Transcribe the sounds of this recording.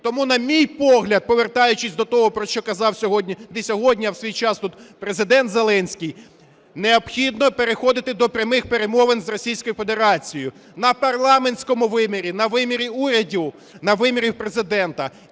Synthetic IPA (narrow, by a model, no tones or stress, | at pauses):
t̪ɔmunɐmʲijpɔɦlʲɐd̪̚pɔʋert̪ɑjʊt͡ʃɪsʲd̪ɔt̪ɔɦɔpɾɔʃt͡ʃɔkɐzɑwsʲɔɦɔdʲnʲid̪ɛsʲɔɦɔdʲnʲiɐwsʲʋʲijt͡ʃɑst̪ut̪pɾezɪd̪ɛnt̪zelˠɛnʲsʲkʲij | neɔbxʲid̪nɔpeɾexɔd̪ɪt̪ɪd̪ɔpɾʲɐmɪxpeɾemɔʋenzrɔsʲijsʲkɔjʊfe̞d̪e̞ɾɑt͡sʲijʊ | nɐpɐrlˠɑmenʲsʲkɔmʊʋɪmʲiɾʲinɐʋɪmʲiɾʲiuɾʲɐdʲiw | nɐʋɪmʲiɾʲiwpɾezɪd̪ɛnt̪ɐ